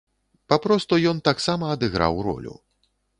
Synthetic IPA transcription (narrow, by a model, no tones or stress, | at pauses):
papɾɔst̪ujɔnt̪aksamɐːd̪ɨɣɾa̰wɾɔ̰lʲṵ